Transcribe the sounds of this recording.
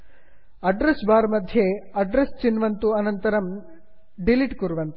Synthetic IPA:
ɐɖɾesbaːɾmɐd̪ʱjeɐɖɾest͡ʃinʋɐnt̪uɐnɐnt̪ɐɾɐm | ɖiliʈkuɾuʋɐnt̪u

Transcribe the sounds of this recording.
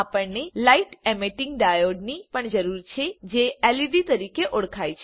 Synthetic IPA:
apəɳnelaiʈɛmeʈɪŋɡɖajoɖnipəɳd͡ʒəɾuɾt͡ʃʰed͡ʒeɛlid̪it̪əɾikeʔoɽkʰajt͡ʃʰ

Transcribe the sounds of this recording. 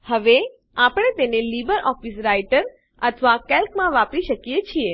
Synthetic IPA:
həʋe | apɽ̃et̪enelibəɾʔɔfisɾaiʈəɾ | ət̪ʰʋakɛlkmãʋapiʃəkjet͡ʃʰie

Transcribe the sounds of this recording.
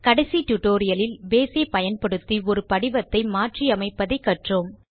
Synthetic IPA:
kɐɽɐsit̪ʊʈoːɾɪjɐlɪlbeːsepɐjɐnpɐɽɯt̪ːiɔɾɯpɐɽɪʋɐt̪ːɐɪmaːʈriɐmɐɪpːɐðɐɪkːɐʈroːm

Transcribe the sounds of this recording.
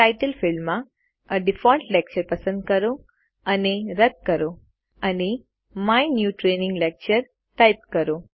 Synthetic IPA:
ʈajʈəlfɪlmːã | əɖɪfɔ̃ɳʈlɛk̚t͡ʃəɾpəsə̃nd̪̚kəɾõ | əneɾəd̪̚kəɾo | əne | majnjuʈɾenɪ̃ŋɡlɛk̚t͡ʃəɾ | ʈajp̚kəɾõ

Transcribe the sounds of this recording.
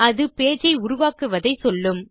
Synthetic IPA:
ɐðɯpeːd͡ʒɐɪʊɾʊʋaːkɯʋɐðɐɪsɔlːɯm

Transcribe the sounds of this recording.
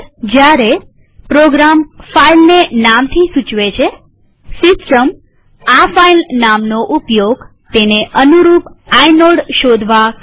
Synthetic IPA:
d͡ʒjaɾe | pɾoɡɾamfailnenamt̪ʰisut͡ʃʋet͡ʃʰe | sɪsʈəm | afailnamnoʔupjoɡt̪eneʔənuɾupajnoɽʃod̪ʱʋa

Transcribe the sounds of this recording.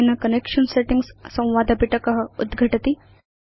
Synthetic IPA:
nɐkɐnekʃənseʈiŋɡssɐ̃w̃ʋad̪ʱɐpiʈɐkɐɦəud̪ɡʱɐʈɐt̪i

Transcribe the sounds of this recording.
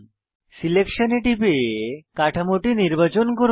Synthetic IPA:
silekʃoneʈipekaʈʰamoʈiniɾbat͡ɕonkoɾ

